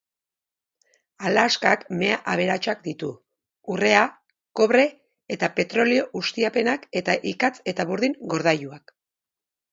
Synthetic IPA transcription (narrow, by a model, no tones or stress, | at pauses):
alaskakme̞aʔaβ̞e̞ɾat͡ʃakd̪it̪u | ure̞a | ko̞βɾe̞ː | t̪ape̞t̪ɾo̞lio̞ɣust̪iape̞nake̞t̪aʔikat͡se̞t̪aβuɾðiŋɡo̞ɾð̞ajuak